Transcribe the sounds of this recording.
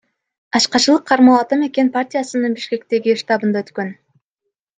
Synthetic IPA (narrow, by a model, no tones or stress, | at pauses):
ɑʃqɑt͡ʃɯlˠɯqʰːɑɾmolˠɑt̪ɑme̞kʲe̞npartʲijasɯnɯnbiʃke̞k̚t̪e̞ɡʲiʃt̪ɑbɯnd̪aøt̪kø̞n